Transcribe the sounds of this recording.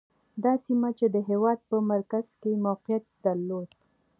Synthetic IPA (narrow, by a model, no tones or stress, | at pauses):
d̪ɑsimat͡ʃed̪əɦewɑd̪̚pəmaɾkaz̥kemawqijat̪̚d̪aɾlod̪